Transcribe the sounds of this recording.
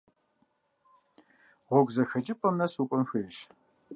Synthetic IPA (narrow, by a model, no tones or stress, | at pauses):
ʁʷɔɡʷzɐxɐt͡ʃʼɪpʼɐmnɐsukʷʼɔmxʷɐʃ